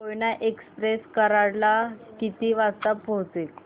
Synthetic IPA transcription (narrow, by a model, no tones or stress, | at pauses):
ojnaʔekspɾeskəɾaɽlakit̪iːʋast̪əpːot͡s̪e